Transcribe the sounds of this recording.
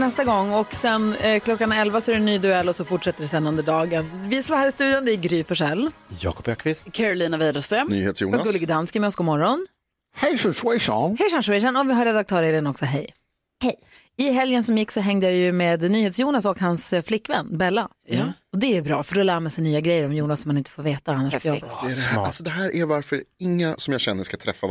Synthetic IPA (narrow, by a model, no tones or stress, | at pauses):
nɛst̪aɡɔŋːɔksɛnkʰlɔkːanɛlvasɔæɾɛnːyːd̪ɵɛlːɔsɔfʊʈʂɛt̪ːəɖɛsɛnːɵnd̪əɖɑːɡənvɪsmhæːɾɪst̪ʉ̟ːd̪jɔnd̪ɛɪɡɾyːfɔʂɛlːjɑ̰ːkɔ̥pakʰvɪst̪kʰæɾʊliːnavɛːd̪əst̪əny̰ːheːt̪sjṵnaɡɵlɡd̪anskəmɛɔsɡɔmɔɾːɔn | hɛjʂanʂɛʂɔ̰nhɛjʂanʂwɛʂanɔvɪɦaɾːɛd̪ak̚t̪ʰœːɾɛɾɪənɔksɔɦɛj | hɛj | ɪɦɛljənsɔmjɪkːsɔɦɛŋd̪əjaːjɵmeːd̪nyːheːt̪sjuːnasɔkhansflɪkːvɛ̰nːbɛlːa | ɔd̪ɛæɾbɾɑːfœɖɔlæːɾmɛsɛnyːaɡɾɛjːəɾɔmjuːnasɔmːanɪnt̪ə̥foːɾveːt̪aanːaʂfɾjaɛalsɔd̪ɛɦæːɾʔæɾvaɾfœɾɛɪŋːasɔmjaɕɛnːəʂkat̪ʰɾɛ̰fːa